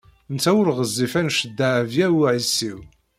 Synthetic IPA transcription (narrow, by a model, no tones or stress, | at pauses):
nt͡sːæwəɾʁəzˤːifænʃəd̪ːaʕvjæwʕisːiw